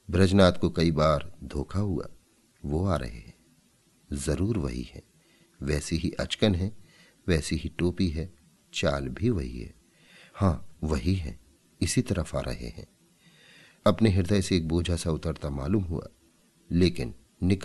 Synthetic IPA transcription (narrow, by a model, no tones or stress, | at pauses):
bɾɐd͡ʒnaːt̪kokɐibaːɾd̪ʱoːkʰaɦua̰ | ʋoaːɾɐ̰ɦḛɦɛ̃ | zɐɾuːɾʋɐ̰ɦḭhɛ̰̃ː | ʋɛːseɦiʔɐ̰t͡ʃkənɦɛ̃ | ʋɛːseɦiʈoːpiɦɛ | t͡ʃaːlbʱiʋɐɦḭɦɛ̰ː | hãːʋɐɦiɦɛ̰̃ː | ɪsit̪ɐɾəfa̰ːɾʔɐ̰ɦḛɦɛ̰̃ː | ɐpneɦɪɾd̪əjseːk̚boːd͡ʒʱasaʊt̪əɾt̪ama̰ːluːmɦua̰ː | leːkɪnː | ɪk